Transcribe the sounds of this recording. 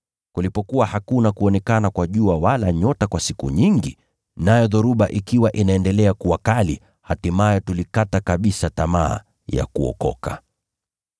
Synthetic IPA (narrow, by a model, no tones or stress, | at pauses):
kulipɔkuwahakunakuɔnɛkanakwaʄuawalaɲɔtakwasikṵɲiŋɡi | najɔðɔɾuɓaʔikiwaʔinaɛndɛlɛakuwakali | hatimajɔtulikatakaɓisatama̰ː | ja̰kuɔ̰kɔ̰ka